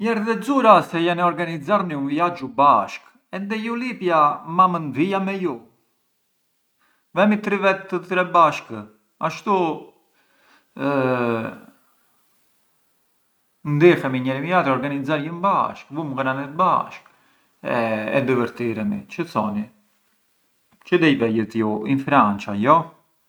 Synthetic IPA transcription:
ɲɛɾd̪ɛzuɾasɛjanɛɔɾɡanizaɾniumjad͡ʒubaʃk | ɛnd̪ɛjulipjamamənd̪ijamɛju | vɛmit̪ɾivɛt̪ːət̪ɾɛbaʃk | aʃt̪u | nd̪ixɛmiɲɛɾimiat̪ɾɔɾɡanizaɾjəmba̰ʃkvuməɡənanɛt̪ba̰ʃk | ɛɛ̰d̪əvəɾt̪iɾɛmḭt͡ʃət͡sɔni | t͡ʃəd̪ɛjvɛjət̪juinfɾant͡ʃajɔ

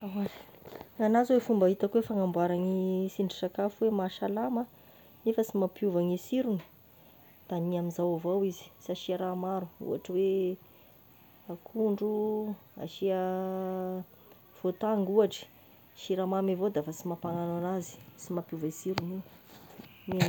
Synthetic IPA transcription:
awaɾi̥ŋanazwefumbaɦit̪akwefaŋambwaɾaŋisiɳɖ͡ʐisakafuwemaʃalamə | nefəsimapjuvaŋisiɾuni̥ | t̪aniamizawavawizi̥saʃiaɾamaɾu̥ṵa̰ʈ͡ʂəwe | akʰuɳɖ͡ʐua̰ʃia | v̥ot̪aŋɡuaʈ͡ʂə̥ | ʃiɾamamivod̪aafat͡simapaŋananazi̥simapjuvisiɾuni | ni

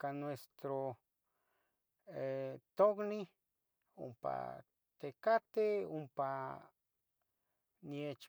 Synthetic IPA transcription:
kanwest̪ɾo | et̪okni | ṵmpa̰ | t̪ekat̪eumpa | njet͡ʃ

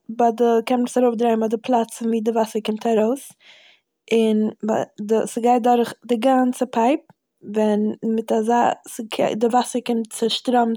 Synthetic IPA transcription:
badəkɛnsaɾoʊfdɾaɪm̩adɪpʰlˠat͡sviːdɪvasəɾkɪmtʰaɾoʊs | ɪnbadəsɪɡaɪt̚dɔɾχdɪɡant͡səpʰaɪp̚ | vɛnmɪtazaːskʰdɪvasəɾkɪmtt͡səʃtɾɔm

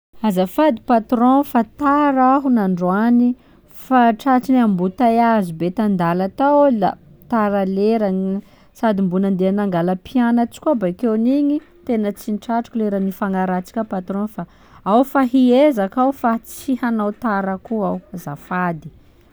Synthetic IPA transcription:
azafad̪ipat̪ɾõfat̪aɾaɦunaɳɖ͡ʐoani | faʈ͡ʂaʈ͡ʂinambut̪ajazubet̪and̪alat̪ala̰ | t̪aɾaleɾan | sad̪imbunand̪eanaŋɡaləpianat͡si̥kʲuabakewniɲi | t̪enət͡sinʈ͡ʂaʈ͡ʂu̥kʲuleɾanifaŋaɾat͡si̥kʲəpat̪ɾɔ̃fa | awfaɦiezakawfat͡siɦanawt̪aɾakuawazafad̪i̥

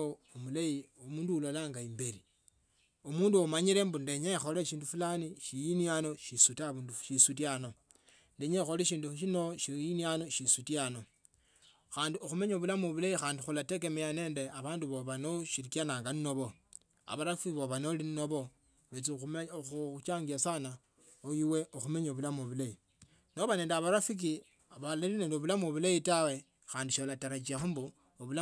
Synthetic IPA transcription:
omulaiomuːnduulolaːŋɡaimbeɾi | omuːnduomaɲiɾe̞mbundeɲexoleʃiːndufulaniʃijinjano̞ʃisutaβunduʃisutjano̞ | ndeɲexoleʃiːnduʃinoʃiinjano̞ʃisutjano̞ | xaːndioxume̞ɲoβulamuβulaixaːndixulate̞kemejane̞ːndeaβaːnduβoβanoʃiɾikjanaːŋɡanno̞βo̞ | a̰βaɾafiβoβanolinnoβo̞ | βet͡sixut͡ʃaːŋɡiasana | ojiwe̞ʔoxume̞ɲoβulamoβulai | no̞βane̞ːndeaβaɾafik̬i | aβalaline̞ːndeoβulamuoβulaitawe̞ | xaːndiʃolataɾat͡ʃiaxumbu | oβula

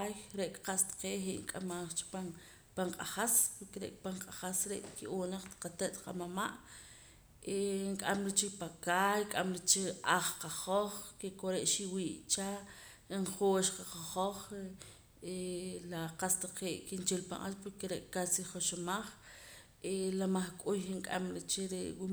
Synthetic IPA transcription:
jɾeʔkqast̪ḁqeːʔheʔŋkʼamaχt͡ʃi̥pan | paɴqʼaχaspuɾkeɾḛʔkpaɴqʼaχasɾḛʔkiʔoːnaχt̪qat̪eʔt̪qa̰mama̰ʔ | eŋkʼamɾit͡ʃikpakaːjkʼamɾit͡ʃiaχqaχoχkekoɾeʔʃiwiːʔt͡ʃa | iɴχoːʃqaqaχoχe | elaqast̪aqeːʔkint͡ʃelpa̰ŋʔalpuɾkeɾeʔkasiχoʃomaχ | elamaχkʼujiŋkʼa̰mɾet͡ʃeɾeʔwu

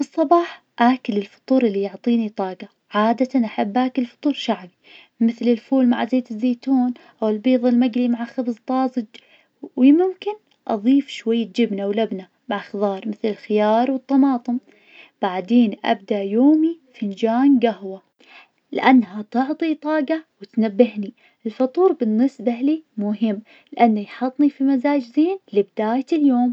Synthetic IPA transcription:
fɨsˤːɑbɑːħ | ʔaːkɪlɪlfɑ̥t̪ˤuːɾˤʔɪlːijʊʕt̪ˤiːnit̪ˤɑːɡa | ʕaːd̪at̪anʔaħabːʔaːkɪlfɑ̥t̪ˤuːɾˤʃaʕbi | mɪθlɪlfuːlmaʕzeːt̪ɪzːeːt̪uːnʔawɪlbiːðˤɑlmaɡlimaʕaxɑbzˤt̪ˤɑːzˤɨd͡ʒ | wimʊmkɪn | ʔɑ̰ðˤiːfʃwajːad͡ʒɪbnawlabna | maʕxðˤɑːɾˤmɪθlɪlxɪjɑːɾˤwɨt̪ˤːɑmɑːt̪ˤɨm | b̥aʕd̪eːnʔa̰b̚d̪aʔjoːmifɪnd͡ʒaːnɡahwa | lɪʔanːɦat̪ʊʕt̪ˤit̪ˤɑːɡawɪt̪nabːɪhni | ʔɪlfɑt̪ˤuːɾbɪnːɪsbalimʊɦɪmː | lɪʔanːajħɑt̪ˤnifimazaːd͡ʒzeːnlɪbɪd̪aːjaɪljoːm

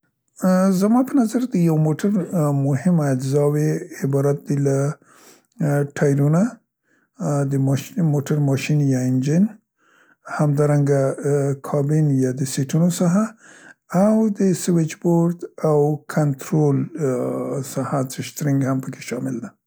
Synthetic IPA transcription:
zamɑpənazaɾd̪əjawmoʈʰaɾmʊhɪmad͡ʒzɑweɪbɑɾat̪̚d̪ila | ʈʰɑjɾuna | d̪əmʃmoʈaɾmɑʃinjɑɪnd͡ʒɪn | hamd̪ɑɾaŋɡakʰɑbɪnjɑd̪əseʈunosaɦaː | wd̪əswɪt͡ʃboɾd̪awkʰant̪ɾol | sahat͡ʃəʃt̪ɾɪŋɡhampəkʰe̥ʃɑmɪld̪a

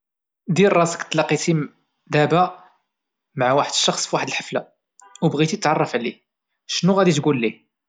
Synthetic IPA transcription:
d̪iɾˤɑsə̥kt̪ːlɑqːit̪i | d̪æbæ | maʕawaħəd̪əʃːɑxsˤfwaħəd̪əlħəfla̰ | wbɣit̪it̪t̪ʕɑrˤːɑfʕli | ʃnuɣæd̪it̪ɡulːi

